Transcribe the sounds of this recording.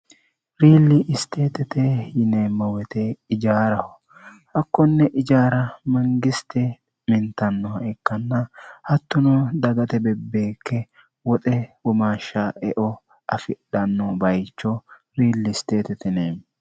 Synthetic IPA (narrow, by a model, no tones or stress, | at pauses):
ɾiːlːɪʔɪst̪eːt̪ɛt̪ɛjɪneːmɐwɛt̪ɛɪd͡ʒaːɾɐhɔ | hɐkːɔnːɛʔɪd͡ʒaːɾɐmɐŋɡɪst̪ɛ | mɪnt̪ɐnːɔhɐʔɛkːɐnːɐhɐt̪ːʊnɔd̪ɐɡɐt̪ɛbɛbːe̞ːkʰːɛ | wɔt̪ʼɛwɔmaːʃːaɛʔɔ | ɐfɪɗːɐnːɔbɐjt͡ʃːɔ | ɾiːlːɪst̪e̞ːt̪ɛt̪ɛneːm